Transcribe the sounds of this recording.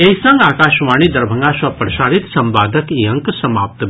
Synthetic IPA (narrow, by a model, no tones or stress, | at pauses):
eisɐ̃ŋɡaːkaːʃʋaːnid̪ɐɾbʱəŋɡaːʃɐpɾɐʃaːɾit̪sɐ̃mbaːd̪ʱəkiɐ̃ŋksɐmaːp̚t̪